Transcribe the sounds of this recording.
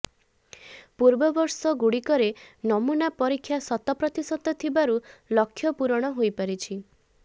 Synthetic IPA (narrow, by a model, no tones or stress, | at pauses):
puɾbɔbɔɾsɔɡuɽikɔɾenɔmunapɔɾikʰːjasɔt̪ɔpɾɔt̪isɔt̪ɔt̪ʰibaɾulɔkʰːjɔpuɾɔɽ̃ɔɦojpaɾit͡ʃʰi